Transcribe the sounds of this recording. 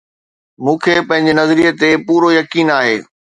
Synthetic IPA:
mũːkʰeːpɐ̃ɦɪ̃ɲ̆d͡ʑenɐzɾiet̪epuːɾojɐkiːnaːɦeː

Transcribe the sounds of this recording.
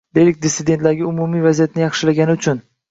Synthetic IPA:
d̪̥e̞jlɪk̚ʲd̪ɪsːɪd̪e̞nt̪laɾɡʲɪʊmumijvazijat̪̚nɪjɑχʃɪlaɡʲanɪʊt͡ʃʰʊn

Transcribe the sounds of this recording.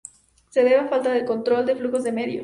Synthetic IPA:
se̞ðeβafalt̪aðeko̞nt̪ɾo̞ld̪e̞fluxo̞zðe̞me̞ðjo

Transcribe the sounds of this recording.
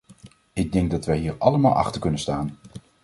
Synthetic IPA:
ɪɡ̚dɛŋɡ̚dɑtʋɛjɦiːɹɑləmaːlˠʔɑ̰χtəɹkɵnənstaːn

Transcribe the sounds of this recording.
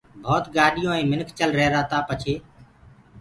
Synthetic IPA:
bʱoːt̪ɠaːɗɪjõːẽːmɪnkʰt͡ʃəlɾəɦɾaːt̪aːpət͡ʃʰeː

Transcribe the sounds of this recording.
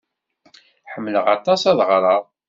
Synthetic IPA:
ħəmːləʁɑt̪ˤɑsɑðʁɾˤɑðˤ

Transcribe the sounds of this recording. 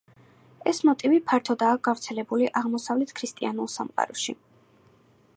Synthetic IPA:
ɛsmɔt̪ʼivipʰaɾt̪ʰɔd̪aːɡ̥avɾt̪sʰɛlɛbuliʔaʁmɔsavlɛt̪ʰkʰɾist̪ʼianulˠsa̰mqʼa̰ɾɔʃi

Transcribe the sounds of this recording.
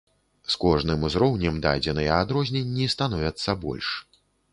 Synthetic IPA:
skɔʐnɨmuzɾɔwnʲɛmd̪a̰d͡zʲɛnɨjɐad̪ɾɔzʲnʲɛnʲːist̪anɔvʲɐt̪sːɐbɔ̰lʲʂ

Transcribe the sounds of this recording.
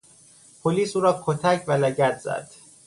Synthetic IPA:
pʰoliːsuːɾɒːkʰot̪ʰæcʰvælæɟæt̪ʰz̥æ̰d̪̥

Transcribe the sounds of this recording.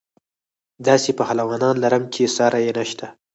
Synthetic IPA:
d̪ɑsepəhalawɑnɑnlaɾəmt͡ʃesɑɾajenaʃt̪a

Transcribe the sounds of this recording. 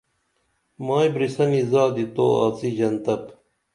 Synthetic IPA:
maːjbɾisɐnizaːd̪it̪o̰ːa̰ːt͡sid͡ʑɐnt̪ɐp

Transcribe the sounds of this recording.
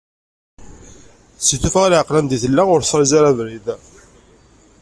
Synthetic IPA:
siθufæʁlʕəqlænd̪iθəlːæʁʊɾsˤɑɾizaɾævɾið

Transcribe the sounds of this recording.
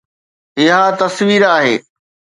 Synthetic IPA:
ɪɦat̪ɐsʋiːɾaːɦeː

